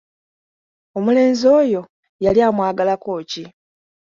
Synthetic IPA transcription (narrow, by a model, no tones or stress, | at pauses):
o̞mule̞ːnzo̞ːjo̞ | jaljaːmwaːɡalako̞ːci